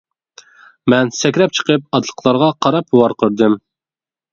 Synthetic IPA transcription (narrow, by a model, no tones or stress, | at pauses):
mɛnsɛkʲɾɛp̚t͡ʃʰə̥qəp̚ɑt̪lˠə̥qʰlˠɑɾʁɑqʰɑɾɑpwɑɾqʰəɾd̪ɨm